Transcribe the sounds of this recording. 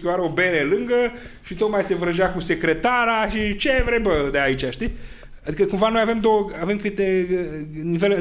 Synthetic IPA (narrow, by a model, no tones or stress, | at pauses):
kʲiwaɾeo̞be̞ɾelɨŋɡə | ʃit̪o̞t̪majse̞vɾəʒeakuse̞kɾe̞t̪aɾaʃit͡ʃevɾebəd̪eait͡ʃaʃt̪i | ad̪ikəkumvano̞jave̞md̪o̞wəave̞mkɾit̪e | nive̞l